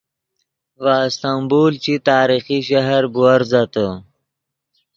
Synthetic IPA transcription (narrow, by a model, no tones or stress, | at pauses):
ʋaːst̪ambuːlt͡ɕit̪aːɾixiɕaɦɾbuɐɾzat̪ə